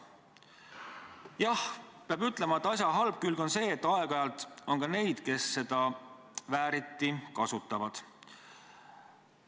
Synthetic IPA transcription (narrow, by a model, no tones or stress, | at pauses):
jɑhpeɑbyt̪ːˑle̞mɑet̪ːˑɑs̬ʲjɑɦɑlb̥̚kylɡo̞nse̞ːt̪ːˑɑe̞ɡ̥ɑjɑlt̪o̞nkɑne̞jd̪̥ke̞sːe̞d̪̥ɑ | væːɾit̪ːˑikɑsut̪ːˑɑvɑd̪̥